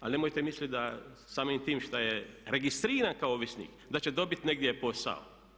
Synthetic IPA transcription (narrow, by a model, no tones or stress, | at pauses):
alnemojt̪emislʲit̪̚d̪a | saːmiːmt̪iːmʃt̪ajeɾeɡist̪ɾiːɾankaooʋjesnḭːk | d̪at͡ʃed̪o̞bit̪neɡd̪jepo̞sa̰o̰